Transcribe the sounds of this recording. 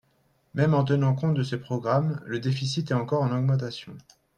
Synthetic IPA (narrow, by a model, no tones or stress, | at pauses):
mɛmɑ̃t̪ənɑ̃kɔ̃t̪̚d̪əsepχɔɡʁamləd̪efisit̪ɛɑ̃kɔʁɑ̃nɔɡmɑ̃t̪̬asjɔ̃